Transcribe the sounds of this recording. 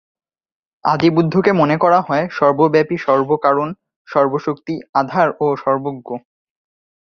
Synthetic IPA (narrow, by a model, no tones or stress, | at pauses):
a̰d̪ibud̪ʱːokemonekɔɾaɦɔeʃɔɾbobɛpiʃɔɾbokaɾon | ʃɔɾboʃok̚t̪iad̪ʱaɾoʃɔɾboɡːo